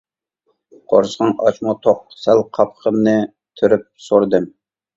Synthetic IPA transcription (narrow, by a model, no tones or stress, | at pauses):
qʰo̰ɾsʁɑŋɑ̰t͡ʃmɑt̪ʰoq̚sælqʰɑpχʰəmnɨ | t̪ʰyɾyp̚soɾɨd̪ɨm